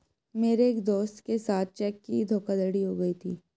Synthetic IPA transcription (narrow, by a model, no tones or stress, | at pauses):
meːɾeeːkd̪oːst̪kesaːt̪̚ʰt͡ʃɛːkːid̪ʱoːkad̪ɐɽiɦoɡɐit̪ʰiː